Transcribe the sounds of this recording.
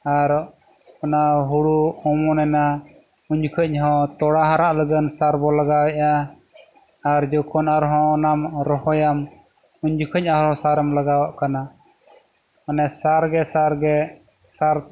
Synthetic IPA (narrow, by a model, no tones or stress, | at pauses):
aɾ | ɔnaɦuɽuɔmɔnɛna | uɲd͡ʒukʰəɲ̚ɦɔ̃t̪ɔɽaɦaɾaʔləɡənsaɾbɔlaɡawɛʔa | ɾd͡ʒɔkʰɔnaɾɦɔ̃ɔnamɾɔhɔjam | uɲd͡ʒukʰəɲ̚ahɾɔ̃saɾɛmlaɡawaʔkana | ɔnɛsaɾɡɛsaɾɡɛ | saɾ